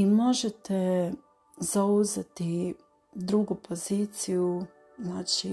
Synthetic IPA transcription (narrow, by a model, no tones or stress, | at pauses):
imo̞ʒet̪e | z̥auzet̪i | d̪ɾuɡupʰo̞ziːt̪siju | znaːt͡ʃi